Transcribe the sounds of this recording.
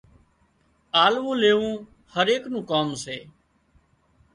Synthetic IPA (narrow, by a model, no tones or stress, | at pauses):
aːlʋũːleːʋũː | həɾeːknũːkoːmseː